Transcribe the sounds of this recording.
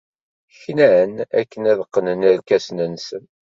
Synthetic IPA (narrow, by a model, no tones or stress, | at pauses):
çnæənæ̰kːənæðəqːənənæɾkæsnənsən